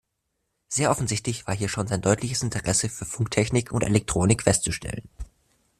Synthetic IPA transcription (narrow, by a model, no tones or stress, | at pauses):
z̥eːɐʔɔfn̩zɪçtlɪçv̥aːɐɦiːɐʃoːnzaɪndɔʏtʰlɪçəsɪntʰəʁɛsəfyːɐfʊŋktʰɛçnɪkʰʊntʔḛlɛk̚tʁ̥oːnɪkfɛstt͡suʃtʰɛ̰lən